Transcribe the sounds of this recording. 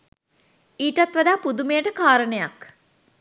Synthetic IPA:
iːʈat̪ʋad̪aːpud̪umejəʈəkaːɾənəjak

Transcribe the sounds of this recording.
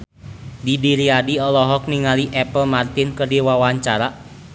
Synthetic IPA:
didiɾiadiɔlɔɦɔk̚niŋaliʔɛpəlmart̪inkərdiwawaɲt͡ʃaɾa

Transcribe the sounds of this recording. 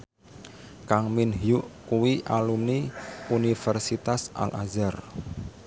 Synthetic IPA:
kaŋminɦijuʔkuwiʔalumniunifɛrsit̪asʔa̰lʔa̰zar

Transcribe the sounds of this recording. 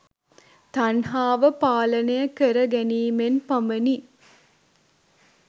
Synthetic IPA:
t̪anɦaːʋəpaːlənəjəkəɾəɡæniːmenpaməni

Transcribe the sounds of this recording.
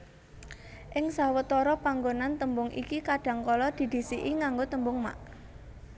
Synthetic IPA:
ʔɪŋsawət̪ɔɾɔpaŋɡonant̪əmbʊŋʔḭkikaɖ̥ä̤ŋkɔlɔd̪̥i̤d̪̥i̤siʔiŋaŋɡot̪əmbʊŋma̰ʔ

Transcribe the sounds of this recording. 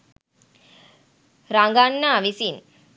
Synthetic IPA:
ɾaŋɡanːaːʋisin

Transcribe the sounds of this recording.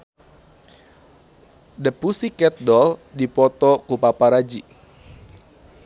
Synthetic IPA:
dəpusikɛt̪̚dɔldipɔt̪ɔkupapaɾad͡ʒi

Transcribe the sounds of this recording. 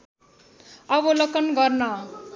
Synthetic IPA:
ʌbolʌkʌnɡʌrnʌ

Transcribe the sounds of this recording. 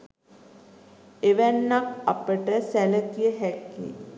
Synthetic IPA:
eʋænːakapəʈəsælət̪ijəɦɛkːḭ

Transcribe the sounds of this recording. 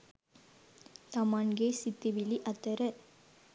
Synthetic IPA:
t̪ɐmaːnɡeːsɪt̪ːiʋɪliʔɐt̪ːɐɾɐ

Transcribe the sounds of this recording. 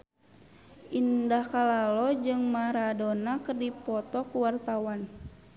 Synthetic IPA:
ʔindahkalalɔd͡ʒɨŋmaɾadɔnakərdipɔt̪ɔkuwart̪awan

